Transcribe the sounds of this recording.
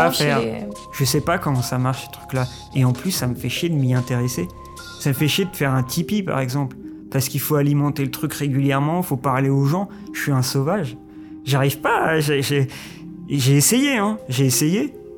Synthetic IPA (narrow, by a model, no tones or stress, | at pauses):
afɛʁ | ʒ̥əsɛpakɔmɑ̃samaʁʃsə̥t̪χy̥kla | eɑ̃plysːaməfɛʃed̪əmiɛ̃t̪eʁese | saməfɛʃed̪əfɛʁɛ̃t̪ʰipipa̰ʁɛɡzɑ̃pl | pasə̥kilfoalimɑ̃t̪elət̪χykʁeɡʲyljɛʁmɑ̃ifopaʁleoʒɑ̃ | ʃɥiɛ̃sovaʒ | ʒaʁivpaʒeʒe | ʒeːsejeɛ̃ʒeːseje